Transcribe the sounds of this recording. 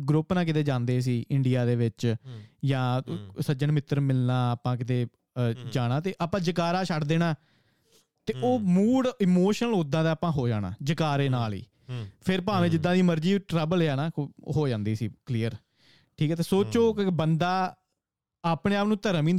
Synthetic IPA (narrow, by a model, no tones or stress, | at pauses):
ɡɾʊpnaːk̬ɪt̪eːd͡ʒãːnd̪eːsiːɪɳɖijaːd̪eːʋɪt͡ʃjãːsəd͡ʒənmɪt̪ːəɾmɪlnaːəpãːk̬ɪt̪eː | d͡ʒaːɽaːt̪eːʔaːpãːd͡ʒəkaːɾaːʃʰəɽd̪eːñaː | t̪eːʔoːmuːɽɪmoːʃənəloʊd̪ãːd̪aːapãːɦoːd͡ʒaːɽ̃a̰ːd͡ʒəkaːɾeːnaːlḭː | pʰɪɾp̬ãːʋẽːd͡ʒɪd̪ːãːd̪iːməɾd͡ʒiːʈɾɛːbəleaːnaːɦoːd͡ʒãːnd̪iːsiːkliːəɾ | ʈʰiːkɛːt̪eːsoːt͡ʃoːkbənd̪aː | aːpɽeːaːpnũːt̪əɾəmĩː